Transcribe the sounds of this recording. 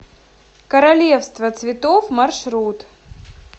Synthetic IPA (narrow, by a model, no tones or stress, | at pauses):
kəɾɐlʲefst̪vət̪svʲɪt̪ofmɐrʂɾut̪